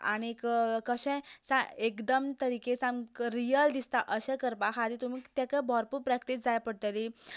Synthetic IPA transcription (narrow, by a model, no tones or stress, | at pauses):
a̰ɽ̃ikkəɕɛ̃sãekd̪əmt̪əɾikesãmɾijəld̪ist̪aʔəɕãkəɾpaɦad̪it̪um̤it̪jakabɔɾpupɾɛkʈisd͡zajapəɽt̪ali